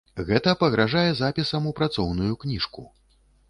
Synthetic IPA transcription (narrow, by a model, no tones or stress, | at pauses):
ɣɛt̪ɐpɐɣɾaʐajɛzapʲisɐmupɾat̪sɔwnujuknʲiʂkṵ